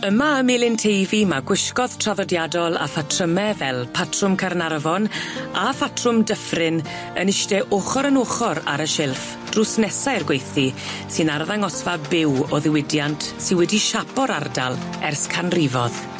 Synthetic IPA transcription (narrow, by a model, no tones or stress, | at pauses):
əmaəmɪlˠɪntʰejvimaɡ̥wɪʃkɔð̥tʰraðɔdjadɔlˠa̰fatʰrəmɛvɛlˠpʰatʰrʊmkʰarnarvɔnafatʰrʊmdəfrɪn | ənɪʃtɛʔoχɔɾənoːχɔɾa̰ɾəʃɪlˠf | d̥rʊsnɛsaɨrɡwejθi | sɨnarðaŋɔsvabɪwɔðɪwɪdjantʰsɪnwɛdiʃapɔɾarda̰lˠ | ɛrskʰanrivɔð